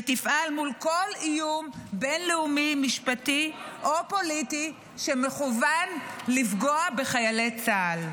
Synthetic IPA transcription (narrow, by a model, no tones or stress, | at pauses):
tifʔalmulko̞lijumbe̞nleumimiʃpatiʔopo̞liti | ʃemeχuvanlifɡo̞abe̞χajalet͡saːl